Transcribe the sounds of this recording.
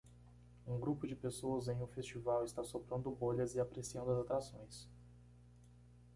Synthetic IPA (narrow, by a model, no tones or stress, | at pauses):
ũɡɾupʊd͡ʒɪpesoɐzẽj̃ʊfest͡ʃivawɪst̪asopɾɐ̃nd̪ʊboʎɐzɪapɾesiɐ̃nd̪ʊɐzat̪ɾasõj̃s